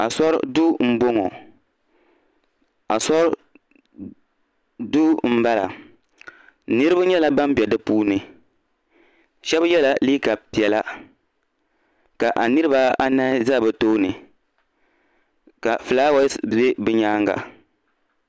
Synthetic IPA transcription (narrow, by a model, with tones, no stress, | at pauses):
a˨sɔ˦ɾ̰du˦m̩˦bo˦ŋɔ̰˨ | a˨sɔ˦ɾ | du˦m̩˦ba˦la̰˨ | nɨ˦ɾɨ˦bʊ˦ɲɛ˦la˦ba˦m˦bɛ˨dɨ˦puː˦nɨ˨ | ʃɛ˦bjɛ˦la˨liː˦ka˨pi˨ɛ˨la˦ | ka˨ʔa˨nɨ˦ɾɨ˦ba˦a˦na˦za˦˨bɨ˨toː˦nɨ˨ | ka˨fɨ˨laː˦wa˦be˦bɨ˦ɲaː˦ŋɡa̰˨